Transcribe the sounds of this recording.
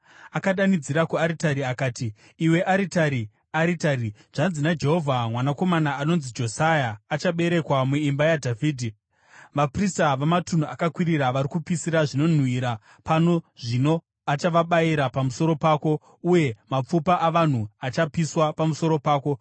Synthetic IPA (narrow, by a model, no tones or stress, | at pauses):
akaɗanid͡ziɾakuaɾitaɾiakaːtiː | we̞ʔaɾitaɾi | aɾitaɾiʐ̥anzinad͡ʒe̞ɦo̞vʱamwanako̞manaːno̞nzid͡ʒo̞sajaːt͡ʃaɓe̞ɾe̞kwamuimbajadʱavʱiːdʱi | ʋapristaʋamatun̤uʔakakwiɾiɾaʋaɾikupisiɾaʐino̞n̤wiɾa | pano̞ʐino̞ | at͡ʃaʋaɓaiɾapamuso̞ɾo̞paːko̞ | uje̞map͡fupaʔaʋan̤uat͡ʃapiswapamuso̞ɾo̞paːko̞